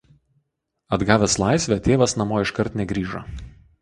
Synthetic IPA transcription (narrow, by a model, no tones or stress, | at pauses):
ɐd̪ɡɑːʋʲɛːslˠɑˑɪsʲʋʲɛt̪ʲeːʋɐsnɐmoːɪʃkɐɾt̪nʲɛɡɾʲiːʒɐ